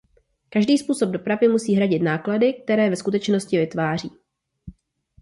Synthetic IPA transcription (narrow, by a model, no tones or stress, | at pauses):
kaʒdiːspuːso̞b̚do̞pɾavɪmusiːɦɾaɟɪt̪naːkladɪk̚t̪ɛɾɛːvɛskut̪ɛt͡ʃnoscɪvɪt̪vaːr̝iː